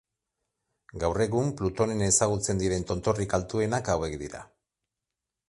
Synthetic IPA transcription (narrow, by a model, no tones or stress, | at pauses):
ɡawre̞ɣumplut̪o̞nenesaɣ̞ut͡se̞nd̪iɾe̞nt̪o̞nt̪o̞rikalt̪ue̞nakawe̞kd̪iɾa̰